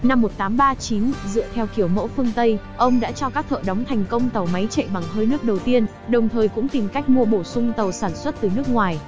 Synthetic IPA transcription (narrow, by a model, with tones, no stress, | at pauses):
na˧mːo˨˩t̚t̪aː˨˦mɓaː˧t͡ɕi˨˦nzɨ̰˧˨ət̪ʰɛ˧wxi˧˩əwmo̰˧˥fɨ˧əŋt̪ə˧j | ʔə˧wŋ͡mɗa̰ː˧˥t͡ɕɔ˧kaː˦˥k̚t̪ʰə̰ː˧˨ɗɔ˨˦wŋ͡mt̪ʰa˨˩jŋ̟kə˧wŋ͡mt̪ə˨˩wma˨˦jt͡ɕḛ˧˨ɓa˨˩ŋh̪ʰəː˧jnɨ˦˥ək̚ɗə˨˩wt̪i˧ən | ɗə˨˩wŋ͡mt̪ʰəː˨˩jkʊ̰˧˥ŋ͡mt̪i˨˩mka˦˥jk̟̚mu˧əɓo˧˩sʊ˧ŋ͡mt̪ə˨˩wsaː˧˩nswə˦˥t̚t̪ɨ˨˩nɨ˦˥ək̚ŋwaː˨˩j